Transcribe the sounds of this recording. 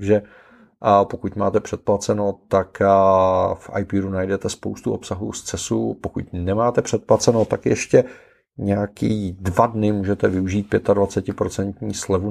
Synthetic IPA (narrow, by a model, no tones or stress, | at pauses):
ʒɛ | pokuc̪maːt̪ɛpr̥ɛt̪̚plat͡sɛnowt̪ak | fʔa̰jpiɾunajdɛt̪ɛspowst̪uo̞psaɦṵːst͡sɛsupokṵcnɛmaːt̪ɛpr̝̥ɛt̪̚plat͡sɛnot̪akjɛ̰ʃcɛ | ɲɛjakiːdvadnɪmuːʒɛt̪ɛvɪuʒiːt̪̚pjɛt̪advat͡sɛcɪpɾot͡sɛnt̪ɲiːslɛvu